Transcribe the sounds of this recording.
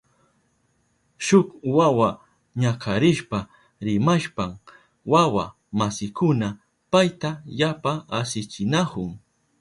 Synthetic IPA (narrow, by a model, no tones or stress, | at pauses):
ʃʊkwawa | ɲakʰaɾɪʃpa | ɾɪmaʃpam | wawa̰ | masɪkʊna | pajt̪ajapaasɪt͡ʃɪnakʊŋ